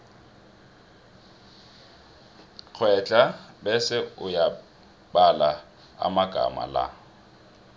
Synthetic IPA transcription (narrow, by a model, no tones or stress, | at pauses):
k͡xʰwɛt͡ɬʼabɛsɪʊja | bala | a̰maɡ̥ʱa̰ma̰la̰